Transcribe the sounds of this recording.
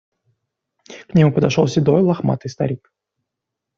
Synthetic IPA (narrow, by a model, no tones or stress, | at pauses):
knʲɪmupəd̪ɐʂolˠsʲɪd̪ojlˠɐxma̰t̪ɨjst̪ɐ̰ɾʲik